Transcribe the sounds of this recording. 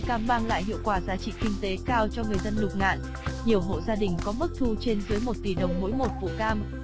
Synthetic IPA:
kaː˧mɓaː˧ŋla̰ː˧˨jɦḭ˧˨əwkwaː˨˩zaː˨˦t͡ɕḭ˧˨kï˧ŋ̟t̪e˨˦kaː˧wt͡ɕɔ˧ŋɨ˨˩əjzə˧nːʊ˨˩k͡p̚ŋa̰ː˧˨n | ɲi˨˩əwɦo̰˧˨zaː˧ɗï˨˩ŋ̟kɔ˨˦mɨ˦˥k̚t̪ʰu˧t͡ɕe˧nzɨː˨˦jmo˨˩t̚t̪i˨˩ɗə˨˩wŋ͡mmo̰˧˥jmo˨˩t̚vṵ˧˨kaː˧m

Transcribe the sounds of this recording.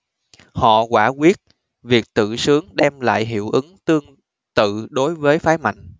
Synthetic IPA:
hɔ̰˧˨kwaː˧˩ɣwi˦˥ət̚ | vi˨˩ək̚t̪ɨ̰˧˨sɨ˨˦əŋɗɛ˧mla̰ː˧˨jɦḭ˧˨əwʔɨ˨˦ŋt̪ɨ˧əŋ | t̪ɨ̰˧˨ɗo˨˦jvəː˨˦jfaː˨˦jma̰˧˨jŋ̟

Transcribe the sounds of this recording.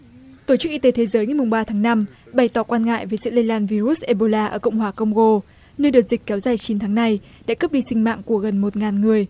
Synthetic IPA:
t̪o˧˩t͡ɕɨ˦˥k̚i˧t̪e˨˦t̪ʰe˨˦zəː˨˦jŋa˨˩jmʊ˨˩ŋ͡mɓaː˧t̪ʰaː˨˦ŋna˧m | ɓa˨˩jt̪ɔ˧˩kwaː˧nŋa̰ː˧˨jvəː˨˦jsɨ̰˧˥lə˧jlaː˧nvi˧ɾu˦˥s̚ʔe˧ɓo˧laː˧ʔəː˧˩kə̰˧˨wŋ͡mɦwaː˧˩kə˧wŋ͡mɣo˧ | nəː˧jɗɨ˨˩t̚zï˨˩k̟̚kɛ˨˦wzaː˨˩jt͡ɕi˨˦nt̪ʰaː˨˦ŋna˧j | ɗa̰ː˧˥kə˦˥p̚ɗi˧sï˧ŋ̟ma̰ː˧˨ŋku˧˩əɣə˨˩nmo˨˩t̚ŋaː˨˩nŋɨ˨˩əj

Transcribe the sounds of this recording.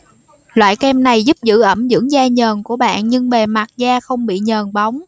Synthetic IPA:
lwa̰ː˧˨jkɛ˧mna˨˩jzu˦˥p̚zɨ̰˧˥ʔə˧˩mzɨ̰˧˥ŋzaː˧ɲəː˨˩nku˧˩əɓa̰ː˧˨nɲɨ˧ŋɓe˨˩ma˨˩t̚zaː˧xə˧wŋ͡mɓḭ˧˨ɲəː˨˩nɓa˨˦wŋ͡m

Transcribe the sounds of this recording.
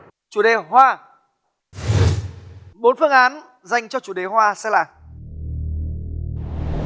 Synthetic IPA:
t͡ɕu˨˧˩ɗe˨˩hwaː˧ | ɓo˨˦nfɨ˧əŋʔaː˨˦n | za˨˩jŋ̟t͡ɕɔ˧t͡ɕu˨˧˩ɗe˨˩ɦwaː˧sɛ̰˧˥laː˨˩

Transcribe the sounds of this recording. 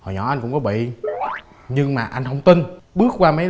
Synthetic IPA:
hɔ˨˩jɲɔ̰˧˩˦ʔa˧jkʊ̰˧˥ŋ͡mkɔ˨˦ɓḭ˧˨ | ɲɨ˧ŋmaː˨˩ʔa˧jŋ̟ɦə˧wŋ͡mt̪i˧nɓɨ˦˥ək̚kwaː˧mə˨˦

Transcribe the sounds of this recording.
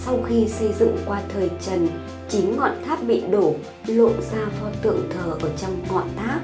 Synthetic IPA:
sa˧wxi˧sə˧jzɨ̰˧˨ŋkwaː˧t̪ʰəː˨˩jt͡ɕə˨˩n | t͡ɕï˨˦ŋŋɔ̰˧˨nt̪ʰaː˦˥p̚ɓḭ˧˨ɗo˧˩ | lo̰˧˨zaː˧fɔ˨˧t̪ɨ̰˧˨əŋt̪ʰəː˨˩ʔəː˧˩t͡ɕɔ˧wŋ͡mŋɔ̰˧˨nt̪ʰaː˦˥k̚

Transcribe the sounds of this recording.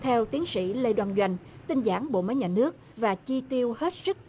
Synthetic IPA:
t̪ʰɛ˧wt̪i˨˦ənsḭ˧˥˨le˧jɗwaː˧˩nzwa˧˩jŋ̟t̪ï˧ŋzaː˧˩ŋɓo̰˧˨mə˨˦jɲaː˨˩nɨ˦˥ək̚vaː˨˩t͡ɕi˧t̪i˧əwhe˦˥t̚sɨ˦˥k̚

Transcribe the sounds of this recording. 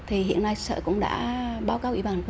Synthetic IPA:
t̪ʰi˨˩ɦḭ˧˨ənːa˧jsə̰ː˧˨˩kʊ̰˧˥ŋ͡mɗa̰ː˧˥ɓaː˨˦wkaː˨˦wʔḭ˧˩ɓaː˨˩ŋk

